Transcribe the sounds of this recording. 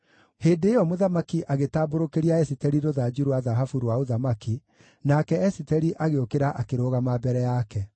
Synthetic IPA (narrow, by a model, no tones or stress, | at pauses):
heːndeːjɔmoðamakiʔaɣetaːboɾokeɾiaɛsitɛɾiɾoðad͡ʒuɾwaðaɦafuɾwaoðamaki | nakɛɛsitɛɾiʔaɣeokeɾaʔakeɾoːɣamabɛɾɛjakɛ